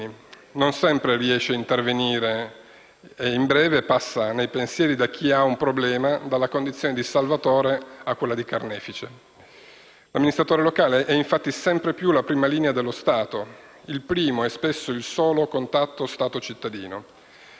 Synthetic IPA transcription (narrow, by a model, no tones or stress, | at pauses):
nonsɛmpɾeriɛʃːeaint̪erveniːɾeː | imbɾɛːvepasːanejpensjɛːɾid̪ak̟ʰːiaumpɾoblɛːmad̪alːakond̪it̪sjoːned̪isalvat̪oːɾeakːwelːad̪ikarnɛːfit͡ʃe | lamːinist̪ɾat̪oːɾelokaːleʔɛiɱfat̪ːisɛmpɾepjulapɾiːmaliːnead̪elːost̪aːt̪o | ilpɾiːmoɛspesːoilsoːlokont̪at̪ːost̪aːt̪ot͡ʃit̪ːad̪ḭːno